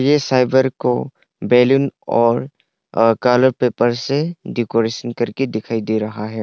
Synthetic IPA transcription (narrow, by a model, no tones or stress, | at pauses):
jesajbəɾko | bɛlunɔːɾ | kaləɾpepəɾseɖikoɾesənkɐɾked̪ɪkʰaid̪eɾɐɦaɦɛ